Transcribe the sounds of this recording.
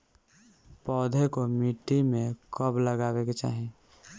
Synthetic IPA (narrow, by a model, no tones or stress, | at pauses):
pɔːd̪ʱekomiʈːimẽkəbləɡaːweket͡ʃa̰ːɦe